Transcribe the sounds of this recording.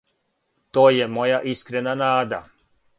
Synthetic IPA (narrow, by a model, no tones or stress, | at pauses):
t̪oːjemojaʔiskɾenanaːd̪a̰